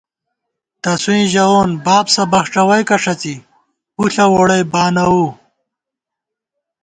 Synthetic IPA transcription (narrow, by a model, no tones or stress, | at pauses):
t̪ɐsuĩʑɐɣonbaːbsɐbɐxʈ͡ʂɐwɐjkɐʂɐt͡si | huɬɐwoɽɐjbaːnɐu